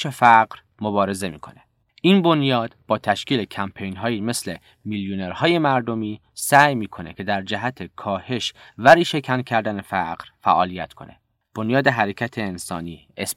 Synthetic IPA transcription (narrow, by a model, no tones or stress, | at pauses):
efæɢɾ | mobɒːɾe̞ze̞miːkʰo̞̰ne | ʔiːnbo̞njɒːd̪̥b̥ɒːt̪ʰæʃciːle̞cʰæmpʰe̞jnɦɒːjiːme̞sle̞ | miljuneɾhɒːje̞mæɾd̪o̞miː | sæːjmiːkʰo̞ne̞̰cʰe̞d̪æɾd͡ʒæɦæt̪ʰe̞kʰɒːhe̞ʃvæɾiːʃe̞cʰæncʰæɾd̪æne̞fæɢɾfæ̰ʔɒːlijæt̪ʰkʰo̞ne̞̰ | b̥o̞njɒːd̪e̞ɦæɾecʰæt̪ʰe̞ːnsɒ̰ːniː | es